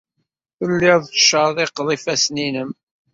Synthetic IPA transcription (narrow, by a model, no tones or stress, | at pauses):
θəlːɪðˤʃəðˤɪqðˤifæsninəm